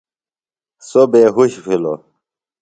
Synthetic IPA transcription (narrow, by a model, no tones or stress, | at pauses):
sobeɦuɕfilo̰